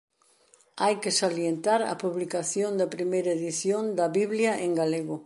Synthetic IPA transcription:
ajkesaljent̪aɾɐ̰puβlikaθjond̪ɐpɾimejɾɐeðiθjond̪ɐβiβljɐʔeŋɡaleɣʊ

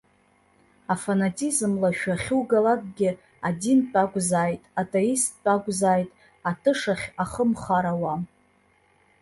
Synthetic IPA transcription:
afanatʰʼizmlaʃᶣaχʲɪwɡalakʼɡʲɪ | adint͡pʼaɡʷʼzaːjtʼatʼeist̚ʰʼt͡pʼaɡʷʼzaːjtʼ | atʰɨʂaχʲaχəmχaɾawam

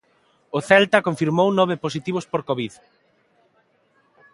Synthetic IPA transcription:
ʊθɛlt̪ɐkoɱfiɾmownɔβ̞ɪposit̪iβ̞ʊspoɾkoβið

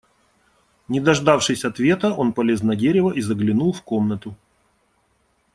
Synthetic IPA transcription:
nʲɪd̪ɐʐd̪afʂɨsʲɐt̪vʲe̞t̪əʔo̞npɐlʲe̞znɐdʲeɾʲɪvəʔizəɡlʲɪnulˠfko̞mnət̪ʊ

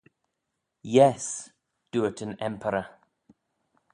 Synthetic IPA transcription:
jɛs | d̥uətʰə̃nɛ̃mpʰəɾə

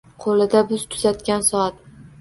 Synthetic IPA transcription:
qʰolɪd̪abʊz̥t̪ʰʊ̥zat̪kʲansɒat̪

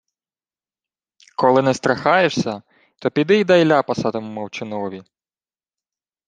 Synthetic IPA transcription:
kɔlˠɪnɛst̪ɾɐxɑjeʃsʲɐ | t̪ɔpʲid̪ɪjd̪ɐjlʲapɐsɑt̪emʊmɐwt͡ʃɪnɔʋʲi

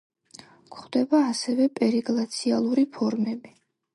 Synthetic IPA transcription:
kʰχd̪ɛbaːsɛvɛpʼɛɾiɡlˠat̪sʰialˠuɾipʰɔɾmɛbi

